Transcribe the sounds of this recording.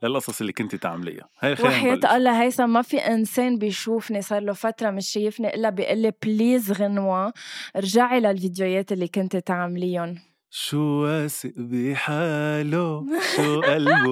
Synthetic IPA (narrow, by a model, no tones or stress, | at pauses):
lɪlʔɑsˤɑsˤʔɪlːikʊnt̪it̪a̰ʕmlɪ̰jːa̰hajwaħjeːlʔɑlːɑɦajsɑmafiʔɪnseːnbɪjʃuːfnisˤɑːɾˤlofat̪ɾˤɑmɪʃːajɪfniʔɪlːabiʔɪlːipliːzɣɪnwaɾʒaʕilalvid̪jojeːt̪ʔɪlːikʊnt̪et̪aʕamlɪjːʊn | ʃuwasɪʔbiħaloʃuʔal